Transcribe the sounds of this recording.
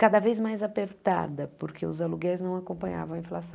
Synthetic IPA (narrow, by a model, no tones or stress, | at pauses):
kad̪ɐvejzmajzapeɾt̪a̰d̪ɐpoɾkʰeʊzaluɡɛɾznɐ̃w̃akõpɐ̃ɲa̰vɐ̃w̃ɐĩflasɐ̃